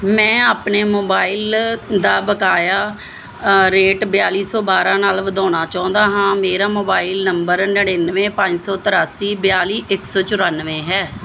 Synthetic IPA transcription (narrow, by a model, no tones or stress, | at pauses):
mɛ̃ːaːpneːmoːbaːɪld̪aːbəkaːjaː | ɾeːʈbɪjaːliːsɔːbaːɾãːnaːlʋəd̪aːñaːt͡ʃaːʊ̃nd̪aːɦãːmeːɾaːmoːbaːilnəmbəɾnəɽeːnəʋẽːpə̃ɲd͡ʒsɔːt̪əɾaːsiːbɪjaːliːʔɪksɔːt͡ʃʊɾənʋẽːɦɛː